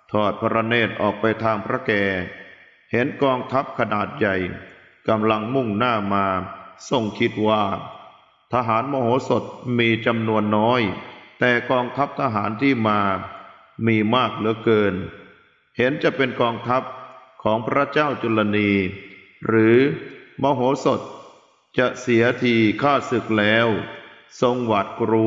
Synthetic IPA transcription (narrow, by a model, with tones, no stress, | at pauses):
t̪ʰɔː˨˩t̪̚pʰa˧ɾa˧neː˥˩t̪̚ʔɔ̰ː˨˩k̚pa˧jt̪ʰaː˧ŋpʰɾa˦˥kɛː˧˩ | he˩˦nkɔː˧ŋt̪ʰa˦˥p̚kʰa˧naː˨˩t̪̚ja˨˩j | ka˧mla˧ŋmu˥˩ŋnaː˥˩maː˧so˨˩ŋkʰi˦˥t̪̚waː˥˩ | t̪ʰa˧ɦaː˩˦nmɔː˧hoː˩˦so˨˩t̪̚miː˧t͡ɕa˧mnu˧ənːɔː˦˥jt̪ɛː˨˩kɔː˧ŋt̪ʰa˦˥p̚t̪ʰa˧ɦaː˩˦nt̪ʰiː˥˩maː˧ | miː˧maː˥˩k̚lɯ˨˦əkɤː˧n | he˩˦nt͡ɕa˨˩pe˧nkɔː˧ŋt̪ʰa˦˥p̚kʰɔː˩˦ŋpʰɾa˦˥t͡ɕaː˥˩wt͡ɕu˧la˧niː˧ | ɾɯː˩˦mɔː˧ɦoː˩˦so˨˩t̪̚ | t͡ɕa˨˩si˩˦ɐt̪ʰiː˧kʰaː˥˩sɯ˨˩k̚lɛː˦˥w | so˧ŋwa˨˩t̪̚kɾuː˧